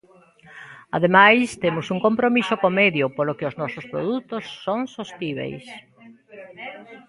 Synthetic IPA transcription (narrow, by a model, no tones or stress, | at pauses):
a̰ðemajst̪emʊsuŋkompɾomisʊkomeðjʊpolʊkɪʊznɔsʊspɾo̰ðut̪ʊsːoŋsost̪iβ̞ḛjs